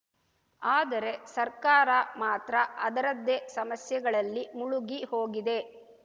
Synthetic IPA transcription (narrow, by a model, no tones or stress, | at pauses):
aːd̪ɐɾe̞sɐɾkaːɾɐmaːt̪ɾɐɐd̪ɐɾɐd̪ːesɐmɐsjɐɡɐɭɐlːimuɭuɡiho̞ːɡid̪e̞